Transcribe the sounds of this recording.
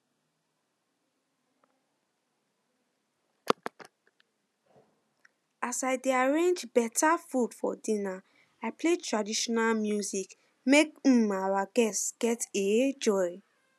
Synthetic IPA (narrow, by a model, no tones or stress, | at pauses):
asaɪdeaɹẽnd͡ʒbɛtʰafud̥fɔ̰dĩna | aɪpletʰɹadiʃɔnalmjuzik | mek̩mawaɡɛstɡ̥ɛted͡ʒɔɪ